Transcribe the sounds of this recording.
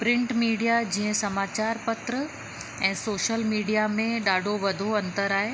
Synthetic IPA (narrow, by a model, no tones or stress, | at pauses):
pɾɪ̃ɳʈmiːɖijad͡ʑĩːɦə̃sɐmaːt͡ɕaːɾpɐt̪ɾə | ɛ̃ːsoːʃəlmiːɖijamẽɗaːɖʱoʋɐd̪ʱoɐ̃nt̪əɾaːɦe